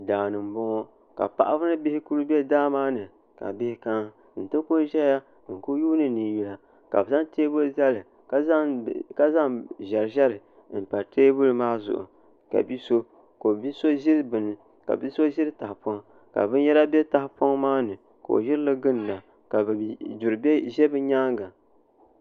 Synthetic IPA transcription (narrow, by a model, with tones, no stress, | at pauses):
daː˨nɨ˨m˨bɔ˦ŋɔ˦ | ka̰˨pa̰˨ʔa˦fɨ˦nɨ˦bɪ˦hɪ˦ku˦lu˦bɛ˦daː˦maː˦nɨ˨ | ka̰˨bɪ˦hɪ˦ka˦ | n̩˨tɨ˦ku˦n˦ʒɛ˦ja˦˨ | ŋ̩˨ku˦juː˦nɨ˦ni˨ju˨la˨ | ka̰˨bza˦ŋteː˦bo˦za˦lɨ˨ | ka˦a˦˨ka˦za˦ŋʒɛ˨ɾɨ˨ʒɛ˦ɾɨ˨ | n̩˨pa˨tʰeː˦bʊ˦lɨ˨maː˦zʊ̰˨ʔʊ̰˨ | ka̰˨bi˦so˦ | ko˨bi˦so˦ʒɪ˦ɾɨ˦bɨ˨n˨ | ka̰˨bi˦so˦ʒɪ˦ɾɨ˦ta˨hpɔ˦ŋ | ka̰˨bɨ˦n˦jɛ˦ɾa˦bɛ˦ta˨hɪ˦pɔ˦ŋmaː˦nɨ˨ | ko˨o̰˨jɪ˦ɾɨ˦lɨ˦ɡɨ˦n˨na˨ | ka˨bd͡ʒu˨ɾɨ˨bɛ˦ʒɛ˦bɨ˦ɲaː˦ŋɡa˨